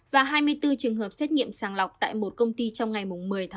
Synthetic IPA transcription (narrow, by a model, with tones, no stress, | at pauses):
vaː˨˩ɦaː˧jmɨ˧əjt̪ɨ˧t͡ɕɨ˨˩əŋɦəː˨˩p̚sɛ˦˥t̚ŋḭ˧˨əmsaː˨˧˩nla˨˩wk͡p̚t̪a̰ː˧˨jmo˨˩t̚kə˧wŋ͡mt̪i˧t͡ɕɔ˧wŋ͡mŋa˨˩jmʊ˨˩ŋ͡mmɨ˨˩əjt̪ʰː